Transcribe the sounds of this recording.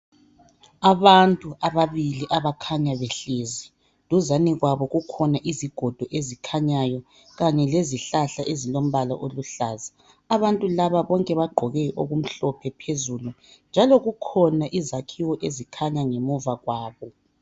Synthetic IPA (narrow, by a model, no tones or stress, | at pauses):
aβantʼuaβaβiliʔaβakʰaɲaβeɬezi | luzaniɣwaβɔɣukʰɔnaʔiziɡ̥ʱɔd̥ʱɔʔezikʰaɲajɔ | ɣaɲɛleziɬaɬaʔezilom̩βala̰ʔoluɬaːzaː | βantʼulaβaβɔŋkʼɛβaɡ͡ǃʱɔɣɛʔoɣum̩ɬɔpʰɛpʰezulu | nd͡ʒʱalɔɣukʰɔnaʔizakʰiwɔʔezikʰaɲaŋemɔvaɣwaːβɔ